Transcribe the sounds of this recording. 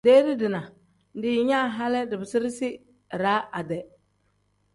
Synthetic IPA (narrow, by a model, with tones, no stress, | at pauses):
deː˦dɪ˦dɪ˨na˨ | dɪ˨˦ɲa˦˨ɦa˦lɪ˦dɪ˨bɪ˨sɪ˦ɾɪ˦sɪ˦˨ | ɾa˦a˨dɛ˨